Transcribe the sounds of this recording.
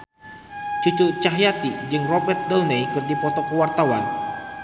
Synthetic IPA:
t͡ʃut͡ʃut͡ʃaɦjat̪id͡ʒɨŋrɔbɛrt̪̚dɔlnejkɨrdipɔt̪ɔkəwart̪awan

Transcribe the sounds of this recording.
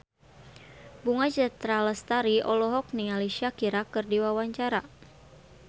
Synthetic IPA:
buŋad͡ʒat̪ɾaləst̪aɾiɔlɔɦɔk̚niŋaliʃiakiɾakɨrdiwawaɲt͡ʃaɾa

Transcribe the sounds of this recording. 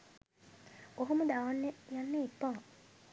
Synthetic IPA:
oɦomud̪aʋanːejanːeepːaː

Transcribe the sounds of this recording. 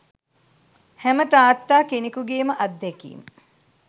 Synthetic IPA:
hæmət̪aːt̪ːaːkenikuɡeːməʔɐd̪ːekḭːmə

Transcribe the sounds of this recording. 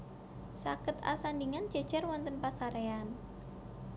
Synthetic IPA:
sa̰kət̪a̰sandiŋand͡ʒ̥a̤d̥d͡ʒ̥arwɔnt̪ənpasaɾean

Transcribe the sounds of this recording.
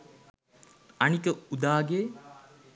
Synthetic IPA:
ɐnikəud̪aːɡeː

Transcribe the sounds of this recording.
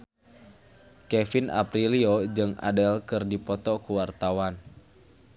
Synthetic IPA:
kɛfina̰pɾiliod͡ʒɨŋa̰dɛlkɨrdipɔt̪ɔkuwart̪awan

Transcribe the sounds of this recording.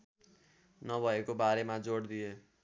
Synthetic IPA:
nʌbʱʌekobaɾemad͡zoɽd̪ije

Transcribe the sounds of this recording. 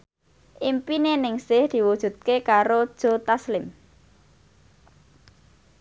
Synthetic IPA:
ʔimpinenɪŋsɪhd̪̥i̤wud̥ʒ̥ṳt̪̚kekaɾod̥ʒ̥o̤t̪aslɪm

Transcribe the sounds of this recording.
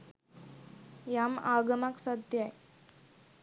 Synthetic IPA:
jama̰ɡəmaksəd̪ʱjaj

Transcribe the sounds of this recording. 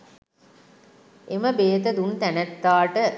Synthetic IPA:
eməbeːt̪əd̪unt̪ænæt̪ːaːʈə

